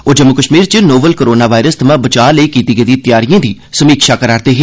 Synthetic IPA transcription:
oːd͡ʒəmːʊkəʃmiːɾt͡ʃənoːbəlkoɾoːnaːʋaːɪɾəst̪ʰəmãːbət͡ʃaːləikiːt̪iɡəd̪iːt̪ɪjaːɾijãːd̪iː | səmiːkʃaːkəɾaːɾt̪eːɦeː

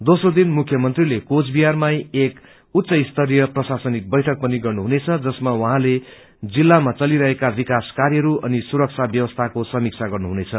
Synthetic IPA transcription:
d̪osrod̪inmukʰjʌmʌnt̪rilekot͡sbijarmajek | ut̪ːsʌist̪ʰʌɾijʌprʌsasʌnik̚bʌjʈʰʌk̚pʌniɡʌrnuɦunet͡sʰʌd͡zʌsmawʌɦãle | d͡zilːamat͡sʌliɾʌɦekabikaskaɾjʌɾuʔʌnisuɾʌk̚t͡sʰabjʌwʌst̪ʰakosʌmik̚t͡sʰaɡʌrnuɦunet͡sʰʌ

